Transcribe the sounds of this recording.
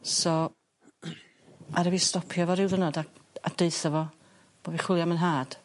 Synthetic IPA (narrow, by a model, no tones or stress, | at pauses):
sɔ | aɾɛvistɔpʰjɔvɔɾɪwðənɔdaad̥eɨθəvɔ | b̥oːviχwɪlˠjamənɦaːd̥